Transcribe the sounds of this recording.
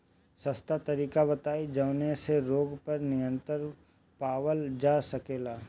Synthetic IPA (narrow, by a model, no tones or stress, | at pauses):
sɐst̪at̪ɐɾiːkabɐt̪aːid͡ʒɐʊneseɾoːɡpɐɾnɪjə̃nt̪əɾ | paːwəld͡ʒaːsɐkeːlaː